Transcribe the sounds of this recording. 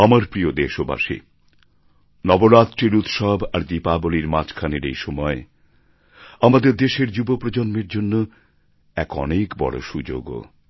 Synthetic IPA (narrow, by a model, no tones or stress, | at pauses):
amaɾpɾiod̪eʃoba̰ʃḭ | nɔboɾat̪ːɾiɾut̪ʃɔbaɾd̪ipaboliɾmat͡ɕkʰaneɾejʃɔmɔe | amad̪eɾd̪eʃeɾd͡ʑubopɾod͡ʑonmeɾd͡ʑonːo | ɛkɔ̰nekbɔ̰ɽo̰ʃud͡ʑo̰ɡo̰